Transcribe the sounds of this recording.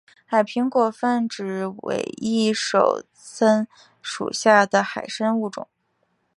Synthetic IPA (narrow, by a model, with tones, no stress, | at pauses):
xa˨˩ɪpʰi˧˥ŋkwɔ˨˩fə˥˩nʈ͡ʂɻ̩˨˩wḛ˧˩ɪi˥˩ʂo˨˩ʊ | t͡sʰə˥n | ʂṵ˨˩ɕja˥˩d̪ə˩xa˨˩ɪʂə˥nu˥˩ʈ͡ʂʊ̰˨˩˦